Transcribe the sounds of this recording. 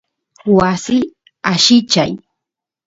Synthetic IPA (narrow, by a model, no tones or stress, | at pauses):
wasɪ | aʃɪt͡ʃaj